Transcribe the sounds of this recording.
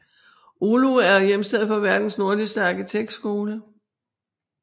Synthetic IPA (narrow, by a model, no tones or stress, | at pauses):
ʔoloæɐjemsd̥eð̩̰ˠfɒ̽ʋæɐd̥n̩sno̝ɐlisd̥əɑ̈ɡ̥it͡sʰeɡ̥̚d̥sɡ̥o̝ːlə